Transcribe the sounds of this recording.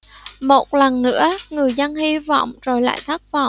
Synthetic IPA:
mo˨˩t̚lə˨˩nːɨ̰˧˥əŋɨ˨˩əjzə˧nhi˧vɔ̰˧˨wŋ͡mzo˨˩jla̰ː˧˨jt̪ʰaː˦˥k̚vɔ̰˧˨w

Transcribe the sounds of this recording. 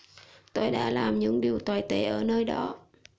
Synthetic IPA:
t̪o˧jɗa̰ː˧˥laː˨˩mɲɨ̰˧˥ŋɗi˨˩əwt̪waː˨˩jt̪e˧˨˩ʔəː˧˩nəː˧jɗɔ˨˦

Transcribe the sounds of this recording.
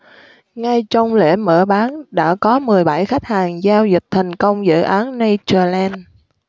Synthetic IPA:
ŋa˧jt͡ɕɔ˧wŋ͡mlḛ˧˩mə̰ː˧˩ɓaː˨˦nɗa̰ː˧˥kɔ˨˦mɨ˨˩əjɓa˧˩jxa˦˥jk̟̚haː˨˩ŋzaː˧wzï˨˩k̟̚t̪ʰa˨˩jŋ̟kə˧wŋ͡mzɨ̰ː˧˨ʔaː˨˦nːa˧jt͡ɕəː˧˩lɛ˧n

